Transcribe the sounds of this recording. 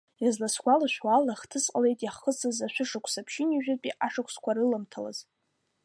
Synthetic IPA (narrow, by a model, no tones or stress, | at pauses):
jazlasɡʷalaʃᶣwalaχtʰɨsʼqʼale̞jtʼjaχəsɨzaʃʷᶣʊʂakʷʰsapʰʃɪniʒᶣapʼiʔaʂakʷʰskʷaɾɨlamtʰala̰z̥